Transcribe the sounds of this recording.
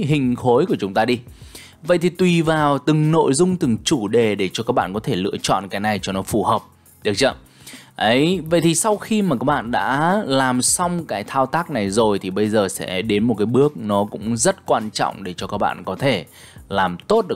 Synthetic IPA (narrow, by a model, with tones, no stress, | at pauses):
ɦï˨˩ŋ̟xo˨˦jku˧˩ət͡ɕʊ˨˦ŋ͡mt̪aː˧ɗi˧ | və̰˧˨jt̪ʰi˨˩t̪wi˨˩vaː˨˩wt̪ɨ˨˩ŋno̰˧˨jzʊ˧ŋ͡mt̪ɨ˨˩ŋt͡ɕu˧˩ɗe˨˩ɗe˧˩t͡ɕɔ˧kaː˦˥k̚ɓa̰ː˧˨kɔ˨˦t̪ʰe˧˩lɨ̰˧˥ət͡ɕɔ̰˧˨nkaː˨˦jna˨˩jt͡ɕɔ˧nɔ˨˦fu˧˩həː˨˩p̚ | ɗɨ˨˦ək̚t͡ɕə˧˩ | ʔə˨˦jvə̰˧˨jt̪ʰi˨˩sa˧wxi˧maː˨˩kaː˦˥k̚ɓa̰ː˧˨nɗa̰ː˧˥laː˨˩msa˧wŋ͡mkaː˨˦jt̪ʰaː˧wt̪aː˦˥k̚na˨˩jzo˨˩jt̪ʰi˨˩ɓə˧jzəː˨˩sɛ̰˧˥ɗe˨˦nmo˨˩t̚kaː˨˦jɓɨ˦˥ək̚nɔ˨˦kʊ̰˧˥ŋ͡mzə˦˥t̚kwaː˧nt͡ɕɔ̰˧˨wŋ͡mɗe˧˩t͡ɕɔ˧kaː˦˥k̚ɓa̰ː˧˨nkɔ˨˦t̪ʰe˧˩ | laː˨˩mt̪o˦˥t̚ɗ